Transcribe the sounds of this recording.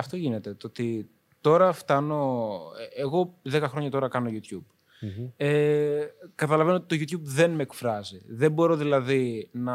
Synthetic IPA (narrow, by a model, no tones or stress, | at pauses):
ɐft̪o̞ʝine̞t̪e̞t̪oot̪i | t̪o̞ɾɐft̪ɐno̞ | eɣo̞ðe̞kɐxɾo̞ɲɐt̪o̞ɾɐkɐno̞ʝut̪çub̥̚ | e | kɐt̪ɐlɐvenoot̪i̥t̪oʝut̪çubðe̞nme̞ːkfɾɐziðe̞mbo̞ɾo̞ðilɐðinɐ